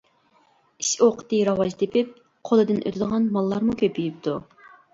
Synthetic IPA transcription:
iʃoqʰə̥t̪ɨɾɑwɑʒt̪ʰepʰɪp̚ | qʰolˠɨd̪ɨnʔø̰t̪ʰɪd̪əʁɑnmɑlˠːɑɾmukʲʰøpyjyp̚t̪ʰu

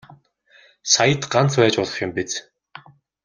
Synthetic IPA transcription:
sajə̆t̪ɢan̥t͡spæːt͡ɕpʊɮʁə̆χjʊ̆mpit͡s

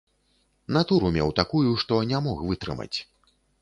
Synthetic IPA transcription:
nat̪uɾumʲɛ̰wt̪akujuʂt̪ɔnʲamɔxvɨt̪ɾɨ̰mɐ̰t͡sʲ

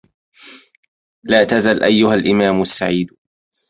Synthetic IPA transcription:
laːt̪azalʔajːʊhalʔɪmaːmasːaʕiːd̪

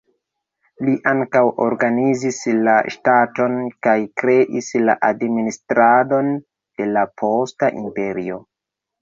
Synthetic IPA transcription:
liʔaŋkawo̞̰ɾɡanizislaʃtato̞nkajkɾe̞ʔisla̰ʔadministɾado̞n | d̥e̞lapʰo̞staʔḭmpe̞ɾio̞

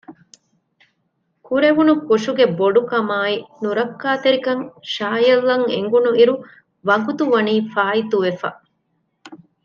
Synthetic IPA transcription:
kuɾeʋunukoʂuɡeboɖukɐmaːinuɾɐkːaːt̪eɾikɐŋʃaːjɐlːɐŋḛŋɡunuiɾu | ʋɐɡut̪uʋɐniːfaːit̪uʋefɐ̰

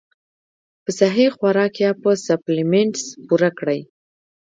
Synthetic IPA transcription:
pəsaɦixwaɾɑkjapəsaplɪmeɳʈspuɾakɽəj

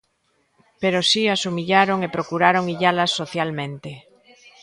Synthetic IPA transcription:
peɾosiasumiʎaɾoŋepɾokuɾaɾoŋiʎalasːoθjalmẽnt̪e

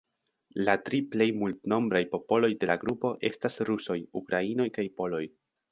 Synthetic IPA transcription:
latɾiple̞jmultno̞mbɾajpo̞po̞lo̞jde̞laɡɾupo̞ʔe̞̰stasɾuso̞jukɾaino̞jkajpo̞lo̞j

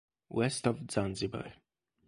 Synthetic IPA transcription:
wɛstɔvzãnzibə̰

